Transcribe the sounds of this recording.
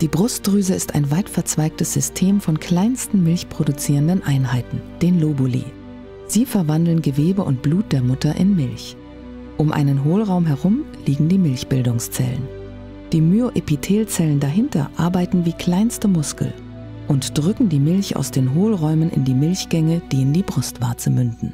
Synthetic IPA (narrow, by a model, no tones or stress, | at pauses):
d̥iːbʁʊst̚ɡ̥ʁyːzəɪsta̰ɪnvaɪtfɛɐt͡sv̥aɪk̚təsz̥ʏstʰeːmfɔnkʰl̥aɪnstn̩mɪlçpʁ̥odut͡siːʁəndənʔaɪnɦaɪtn̩d̥eːnloːbulḭː | z̥iːfɛɐvandl̩nɡəveːbəʔʊnt̚b̥luːt̚d̥eːɐmʊtɐʔɪ̰nmɪlç | ʔʊmʔa̰ɪnənɦoːlʁaʊmɦɛʁʊm | liːɡŋ̩diːmɪlçb̥ɪldʊŋst͡sɛ̰lə̰n | d̥iːmyoʔepitʰeːlt͡sɛləndaɦɪntɐ̰ʔa̰ɐbaɪtn̩viːkʰl̥aɪnstəmʊskl̩ | ʔʊntd̥ʁʏkŋ̩diːmɪlça̰ʊsd̥eːnɦoːlʁɔʏmənʔɪ̰ndiːmɪlçɡ̥ɛŋəd̥iːɪndiːbʁʊstv̥aɐt͡səmʏndn̩